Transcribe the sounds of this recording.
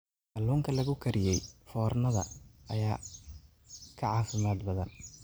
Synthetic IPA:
ʔɐlːuːŋkʰɐlɐɣʊkʰɐɾɪjɛjfɔːrnɐðɐ̰ʔɐjaː | kʰɐʕɑːfɪmaːd̪bɐðɐn

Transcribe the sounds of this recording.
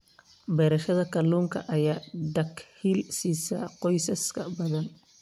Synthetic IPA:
bɛːɾɐʃɐðɐkʰɐluːŋkʰɐ̰ʔɐjaːd̪ɐkhiːlsiːsɐ̰qɔjsɐskʰɐbɐðɐn

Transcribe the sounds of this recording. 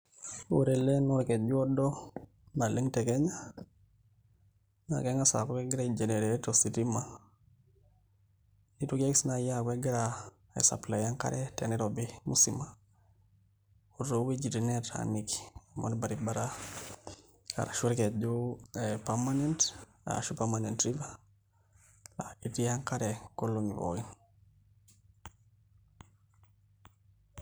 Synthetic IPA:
uɾelenuɾket̚d͡ʒuɔdɔ | naliŋtekeɲa | na̰keŋasa̰kokeɡɪɾaid͡ʒeneɾetositima | nitukeksnajakweɡiɾa | ḛsa̰plajaŋka̰ɾɛtɛ̰niɾobimusima | uɾowid͡ʒitinɛta̰niki̥mo̰nbaɾibaɾa | a̰ɾaʃuɾkɛd͡ʒopaɾmanent | a̰ʃupamanentɾiva | la̰itijaŋkaɾɛkoloŋiβo̰in

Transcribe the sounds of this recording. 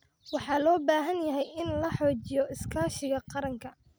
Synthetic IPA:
wɑħɑːlɔːbaːɦɐnjɐɦɛjɪnlɐħɔːt͡ʃɪjɔɪskʰaːʃɪɣɐqɑɾɐŋkʰɐ

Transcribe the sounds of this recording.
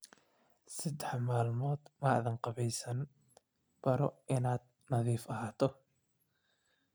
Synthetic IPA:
sɐd̪ɛħmaːlmɔːd̪maʕðɐŋqɑβɛjsɐn | b̥ɐɾɔʔɪnaːd̪ | nɐðiːfɐɦaːt̪ʰɔ

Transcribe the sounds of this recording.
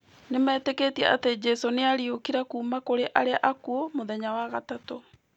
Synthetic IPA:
nemɛːtekeːtiɛʔa̰ted͡ʑɛsoneaɾiokiɾakuːmakoɾeʔaɾeaʔakuomoðɛɲawaɣatato

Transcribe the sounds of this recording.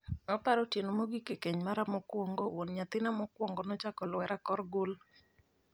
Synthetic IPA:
ɔpaɾɔtjenomoɡikekeɲmaɾamɔkwɔŋɡɔwonɲat̪ɪnamɔkwɔŋɡɔnɔt͡ʃakɔlwɛɾakɔrɡol

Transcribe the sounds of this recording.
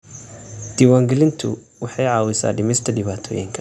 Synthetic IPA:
d̪̥iwaːŋɡɛlɪnt̪ʰʊ̰ | wɑħɑjʕɑːwɪsa̰ːɖɪmɛst̪ʰɐɖɪβaːt̪ʰɔ̰ːjɪ̰ŋkʰɐ

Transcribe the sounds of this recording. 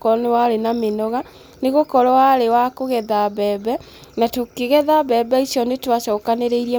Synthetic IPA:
kɔnewaɾenamenɔɣa | neɣokɔɾɔwaɾewakoɣɛðaβɛːbɛ | natokeɣɛðaβɛbɛisjɔnetwaɕɔːkaneɾeiɾiɛ

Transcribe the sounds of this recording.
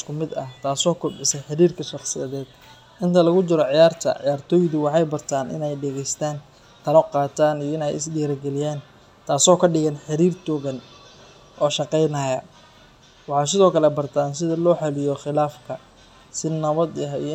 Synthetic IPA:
skʰʊmɪd̪ɐht̪ʰaːsɔːkʰʊbɪsɐħɪɾiːrkʰɐʃɑqsɪjɐ̰ðɛːd̪̥ | ʔɪnt̪ʰɐlɐɣʊt͡ʃɪɾɔʕɪjaːrt̪ʰɐ̰ʕɪ̰jaːrt̪ʰɔːjðʊwɑħɑjbɐrt̪ʰaːnʔɪ̰nɛjɖɛɣɛjst̪ʰaːn | t̪ʰɐlɔqɑːt̪ʰaːnijɔɪnɛjɪ̰sdiɾɐɡɛlɪjaːn | t̪ʰaːsɔːkʰɐɖɪɣɐnħɪɾiːrt̪ɔːɣɐn | ʔɔːʃɑqɛjnajɐ | wɑħɑːs̬ɪðɔːkʰɐlɛbɐrt̪ʰaːnsɪðɐlɔːħɑlɪjɔχɪlaːfkʰɐ | sɪnɐβɐd̪ɐɦḭj

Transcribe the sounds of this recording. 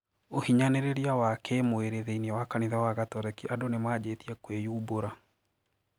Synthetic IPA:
ohiɲaneɾeɾiawakemoeɾeðeinɛwakaniðawaɣatɔɾɛkiʔadonemwaːd͡ʑetiɛkwejuːboɾa

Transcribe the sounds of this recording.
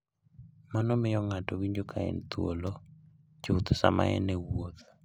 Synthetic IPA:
manɔmɪjɔŋatɔwiɲd͡ʒokʰaɛ̰nt̪wo̰lo | d͡ʒout̪ɔsa̰ma̰ɛ̰nɛwot̪

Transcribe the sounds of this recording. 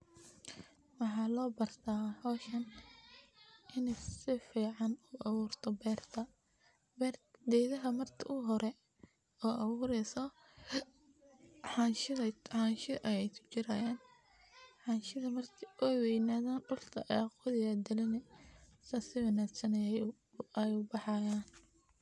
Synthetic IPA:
wɑħɑːlɔːbɐrt̪ʰaːhɔːʃɐn | ʔɪnɛsɪfiːʕɑnʊʔɑwuːrt̪ʰɔbɛːrt̪ʰɐ | bɛːrd̪ɛjðɐɦɐmɐrt̪ʰɪʔʊɦɔɾɛ | ɔːʔɑwuːɾɛːsɔ | ħɑnʃɪðɐħɑnʃɪʔɐjɛjt̪ʰʊ̥t͡ʃɪɾaːjaːn | ħɑnʃɪðɐmɐrt̪ʰɪʔɔjwɛjnaːðaːnɖʊrt̪ʰɐ̰ʔɑqʊðɪjɐd̪ɪlɪnɛ | sɐsɪwɐnaːɡsɐnɐjɛ | ɛjʊbɑħɑːjaːn

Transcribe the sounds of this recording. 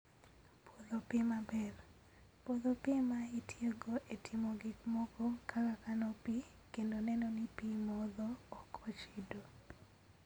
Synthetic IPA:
polopɪmabɛr | poðopɪmaitʰjeɡoʔetʰɪmoɡɪkmɔkɔkʰalakanɔpi | kendonɛnɔnɪpimɔd̪ɔːkʰɔt͡ʃido

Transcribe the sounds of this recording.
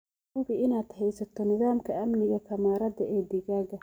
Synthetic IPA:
ʊbɪɪnaːd̪̥hɛjsɐt̪ʰɔnɪðaːmkʰɐɐmnɪɣɐkʰɐmaːɾɐðɐɛːd̪ɪɣaːɣɐ

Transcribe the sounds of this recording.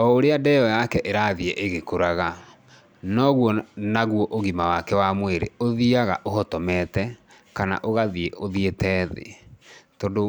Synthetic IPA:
ɔoɾeadɛjɔjakɛʔeɾaðiɛʔeɣekoɾaɣa | nɔɣwɔnaɣwɔʔoɣimawakɛwamweɾḛoðiaɣa̰ʔoɦɔtɔmɛtɛ | kana̰ʔoɣaðieʔoðietɛːðḛtɔdo

